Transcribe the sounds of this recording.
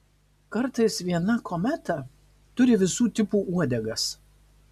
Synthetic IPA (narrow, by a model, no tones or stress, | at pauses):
kɐɾˑt̪ɐɪsʋʲiɛnɐkʰomʲæt̪ɐ | t̪ʊɾʲɪʋʲɪsuːt̪ʲɪpuːuɔd̪ʲɛɡɐs